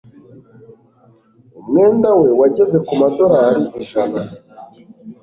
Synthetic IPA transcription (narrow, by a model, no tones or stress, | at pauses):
umŋe̞ːndawe̞waɟe̞ze̞kumado̞ɾaaɾiiʒana